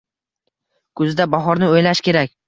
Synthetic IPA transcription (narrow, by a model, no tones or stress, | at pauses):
kʰɵzɪd̪abɒɦɒɾnɪojlaʃkʲe̞ɾak̚ʲ